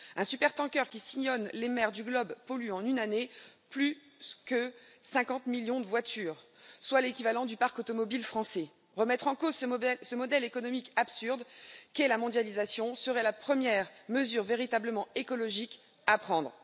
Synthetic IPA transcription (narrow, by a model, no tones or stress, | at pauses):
ɛ̃sypɛʁt̪ɑ̃kʲœʁkʲisiɲɔnlemɛʁd̪yɡlɔbpɔlyɑ̃nynaneply | skə | sɛ̃kɑ̃t̪miljɔ̃d̪əvwat̪ʰyːʁ | swalekʲivalɑ̃d̪ypaʁkɔt̪ɔmɔbilfχɑ̃sɛ | ʁəmɛt̪χɑ̃kozssəmɔd̪ɛlekɔnɔmikapsyʁd̪kɛlamɔ̃d̪jalizasjɔ̃səʁɛlapχəmjɛʁməzyʁveʁit̪abləmɑ̃ekɔlɔʒik | apχɑ̃d̪ʁ